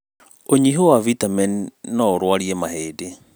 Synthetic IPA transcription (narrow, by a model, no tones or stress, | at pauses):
oɲiɦowavitamɛnnɔoɾwaɾiɛmaɦeːde